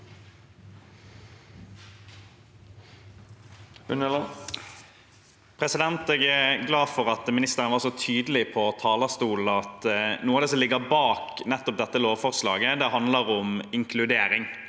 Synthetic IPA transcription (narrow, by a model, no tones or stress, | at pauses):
l | pʰʁɛsɪd̪ɛnt̪ɛːɡɛɡlɑːfɔʁɑt̪mɪnɪst̪əʁənəʋɑʁsɔt̪ʰyːd̪əlɪpʰɔt̪ʰɑːləst̪uːlɑt̪nuːɑd̪ɛːsɔmlɪɡəbɑːknɛt̪ːɔp̚d̪ɛt̪ːəloːʋfɔʁslɑ̰ːɡəd̪ɛɦɑnd̪ləɾʊmɪŋkʰlʉd̪eːɾɪŋ